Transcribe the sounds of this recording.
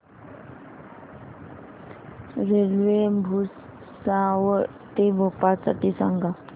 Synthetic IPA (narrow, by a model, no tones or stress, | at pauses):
ɾelʋebʱus | saʋə | t̪ebʱopasa̰ʈisa̰ŋɡa